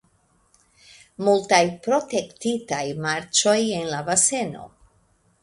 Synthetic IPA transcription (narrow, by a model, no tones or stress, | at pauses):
multajpɾo̞te̞ktitajmaɾt͡ʃo̞je̞nlabase̞no̞̰